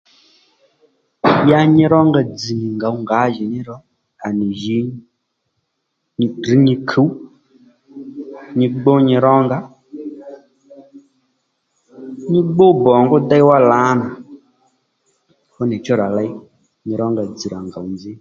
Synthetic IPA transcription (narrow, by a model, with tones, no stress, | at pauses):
ja˧ɲɪ˧ɾɔ˦ŋɡa˨˧d͡zi˨ɲi˨ŋɡa˨u˦ŋɡa˨˦ʒi˨nɪ˦ɾɔ˦ | a˨ni˨ʒi˨˦˨ | ri˨˦ɲi˧kʰu˨˦w | ɲɪ˧ɡ͡bo˦ɲɪ˧ɾɔ˦ŋɡa˦ | ɲɪ˦ɡ͡bo˦bɔ˨ŋɡʊ˦da˦jwa˦la˨˦na˨ | fʊ˦nɪ˨t͡ʃɔ˦ɾa˨la˦i˦ | ɲi˧ɾɔ˦ŋɡa˨d͡zi˨ɾa˨ŋɡa˨u˨nd͡zɪ˦